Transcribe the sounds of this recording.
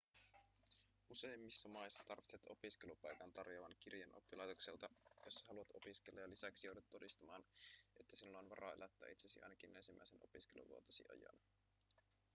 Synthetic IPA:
use̞jmːisːɑmɑisːɑ̥t̪ɑrʋit̪set̪o̞̰piskelupɑjkɑnt̪ɑrjoʋɑnk̟irjɑnʔo̰pːilɑjt̪okselt̪ɑjosːɑɦɑluɑt̪o̞piskelːɑjɑlisæksijouwdɑt̪ːo̞dist̪ɑmɑːne̞t̪ːæsilːojnʋɑɾɑ̰ːelʔæt̪ːæ̰ːit̪sesiɑ̰jnɑkine̞nsimːʔæ̰jsenopiskelṵʋuo̰t̪ɑsḭʔɑ̰jɑ̰n

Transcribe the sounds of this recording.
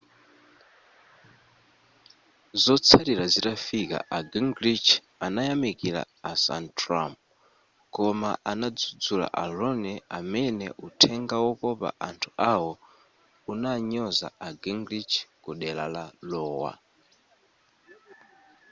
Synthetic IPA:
zɔt͡sʰaɾiɾazitafika̰ʔaɡiŋɡɾit͡ʃ | anajamikila̰ | asa̰ntʰɾamp̚ | kɔma̰ʔanad͡zud͡zula̰ʔalɔnɛamɛnɛ̰ʔutʰɛŋɡawɔkɔpa̰ʔantʰu̥ʔawɔ | unaɲɔza̰aɡiŋɡɾit͡ʃʰkuɗɛla̰lalɔːwa̰

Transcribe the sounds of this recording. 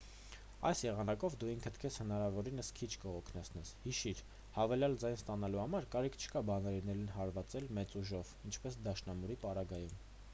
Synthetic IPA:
ɑ̰jsjɛʁɑnɑkɔvd̪uiŋkʰət̪ʰkʰɛshənɑɾɑvɔɾinəskʰit͡ʃʰkəɔkʰnɛt͡sʰn̪ɛshiʃiɾ | hɑvɛljɑld͡zɑjnst̪ɑnɑluhɑmɑɾkɑɾikʰt͡ʃʰə̥kɑbɑnɛɾinɛɾinɦɑɾvɑt͡sɛlmɛt͡suʒɔvint͡ʃʰpɛsd̪ɑʃnɑmuɾipɑɾɑɡɑjum

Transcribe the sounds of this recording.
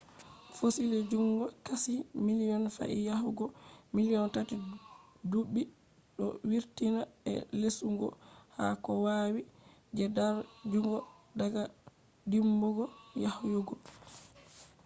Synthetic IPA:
fosiled͡ʒuŋɡɔkasimilijɔnfa̰ʔijahuɡɔmilijɔntati | duɓːi | ɗɔ̰wiɾtinaɛ̰lesuŋɡɔ̰ha̰kɔwaːwid͡ʒɛdaɾd͡ʒuŋɡɔdaɡa | dimbɔɡɔjahjoɡɔ

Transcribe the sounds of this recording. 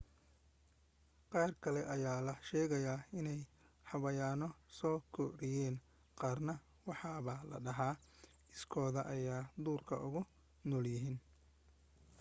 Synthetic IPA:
qɑːrkʰɐlɛʔɐjaːlɐʃɛːɣɐjaːɪnɛj | ħɑβɐjaːnɔsɔːkʰɔɾɪjɛːn | qɑːrnɐ | wɑħɑːβɐlɐ̰ɖɐɦaː | ɪskʰɔːðɐʔɐjaːd̪uːrkʰɐ̰ʔʊɣʊ | nɔːljɪɦiːn

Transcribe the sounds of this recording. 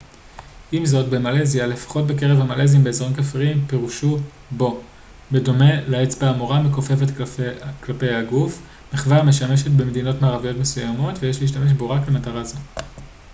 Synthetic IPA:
ʔimzo̞tbe̞male̞ziale̞fḁχo̞t̚beke̞ʁevhamale̞zimbe̞ːzʁonkafʁiimpeʁuʃu | bo̞ | be̞do̞me̞laet͡sbeamoʁamekofe̞vetklape̞jaɡuf | meχvaʁme̞ʃame̞ʃet̚be̞me̞dino̞tmaːʁavijo̞tme̞sujamo̞tvejeʃleiʃ̬tame̞ʃ̬bo̞ʁaklemataʁazo

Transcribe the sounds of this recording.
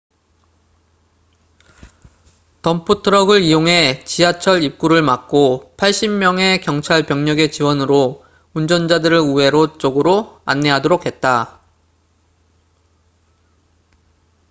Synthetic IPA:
tʌmpʰutʰɯɾʌɡɯɾijoŋɦe̞t͡ɕiat͡ɕʰʌɾip̚k͈uɾɯɭmak̚k͈opʰaɭɕ͈immjʌŋe̞kjʌŋt͡ɕʰaɭpjʌŋɲʌɡe̞t͡ɕiwʌnɯɾo | und͡ʑʌnd͡ʑadɯɾɯɭue̞ɾot͡ɕ͈oɡɯɾoa̰nːe̞ɦadoɾokʰe̞t̚t͈a

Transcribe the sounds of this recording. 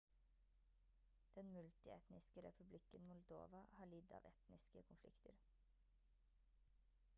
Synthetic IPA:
d̪̥ɛnmʉlt̪ɪɛ̰t̪nɪskəɾɛ̰pʰʉblɪkənmʊld̪o̰ːʋɑhɑːɭɪd̪ɑ̰ːʋɛt̪nɪskə̰kʰʊnflɪ̰kt̪ʰəɾ

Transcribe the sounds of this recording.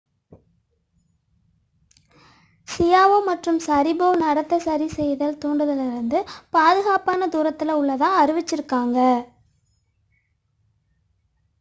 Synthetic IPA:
sɪjaːʋoːmɐʈrɯmsɐɾɪboːnɐɽɐt̪ːɐsɐɾisɛjðɐlt̪uːɳɖɯðɐlɪɾɯnd̪ɯpaːðɯɣaːpaːnɐd̪uːɾɐt̪ːɪlɐʊɭːɐðãːɐɾɯʋɪt͡ʃːɪɾɯkːaːŋɡɐ

